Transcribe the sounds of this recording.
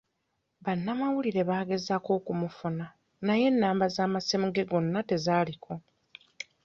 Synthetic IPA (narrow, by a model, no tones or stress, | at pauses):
βanːamawuliɾe̞βaːɡe̞zako̞ːkumufuna | naje̞nːaːmbazaːmasemuɡe̞ɡo̞nːate̞zaːlikʰo̞